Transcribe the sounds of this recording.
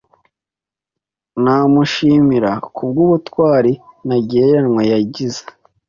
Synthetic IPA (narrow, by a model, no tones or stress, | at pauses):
naːmuʃiːmiɾakʰub̚ɡuːβutwaːɾinaɟeɾenŋwajaɟizḁ